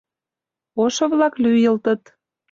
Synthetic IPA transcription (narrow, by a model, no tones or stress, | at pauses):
oʃɤ̆vlɑklyjə̆lt̪ə̆t̪